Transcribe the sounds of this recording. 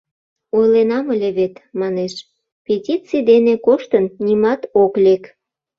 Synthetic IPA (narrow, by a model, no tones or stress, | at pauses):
ojlenɑməlʲeβet̪mɑneʃ | pʲetʲit͡sid̪enekoʃt̪ənnʲimɑt̪oklek